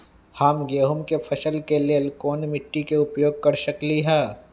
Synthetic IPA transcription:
haːmɡeːɦʊmkepʰɐʃəlkelelkoːnmɪʈːikeʊpjoːɡ̚kɐɾʃɐkliɦɛː

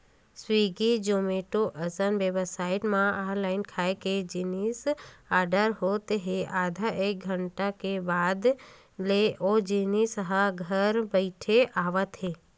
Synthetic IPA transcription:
swiːɡid͡ʒomeːʈoʔəsənʋebəsaːɪʈmãaːlaːɪnkʰaːeked͡ʒinisaːɾɖəɾɦot̪eɦeʔaːd̪ʱaʔeːk̚ɡʱəɳʈakebaːd̪ | leʔod͡ʒinisəɦəɡʱəɾbəɪʈʰeʔaːʋət̪ɦeː

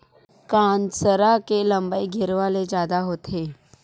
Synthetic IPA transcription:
kãnsəɾakeləmbəiɡʱiɾʋaled͡ʑad̪aɦot̪ʰe

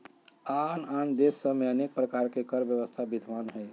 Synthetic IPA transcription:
anand̪esːəmeənek̚pɾəkaɾkekəɾbjəʋəst̪ʰabid̪ʱʋanɦɛɪ

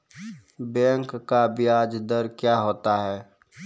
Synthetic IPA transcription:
bɛ̃ːŋkːabʱiaːd͡ʒd̪əɾkjaːɦoːt̪aɦɛː

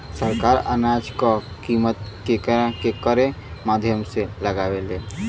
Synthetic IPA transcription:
səɾkaːɾə̰nad͡ʒka | kiːmət̪kekkekəɾẽmaːd̪ʱjəmseləɡaʋeleː

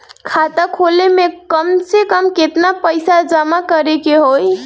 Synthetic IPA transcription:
kʰat̪əkʰolemekəmsekəmket̪napəjsad͡ʒəmakəɾekeɦoj

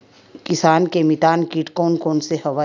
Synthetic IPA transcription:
kɪsaːnkemɪt̪aːnkiːʈkoːnkoːnseɦɐʋa

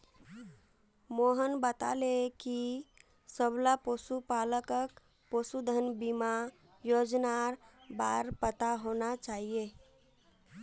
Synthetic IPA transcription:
moɦənbət̪a̰leki | səblaposupaləkək | posud̪ʱənbima | jod͡ʒnaɾbaɾpət̪aɦonat͡ʃaɦije

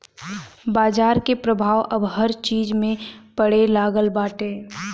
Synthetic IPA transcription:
baːd͡ʒaːɾkepɾəbʱaːʋʔəbɦəɾt͡ʃiːd͡ʒmẽpəɽelaːɡəlbaːʈẽː

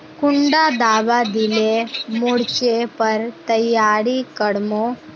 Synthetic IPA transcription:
kʊɳɖad̪aːʋad̪ilemoɽt͡ʃepəɾt̪əjːaːɽikəɽmo

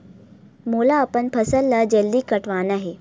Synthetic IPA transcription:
moːlaɐpənpʰɐsəlːɐd͡ʑɐld̪ikɐʈʰʋaːnaːɦeː

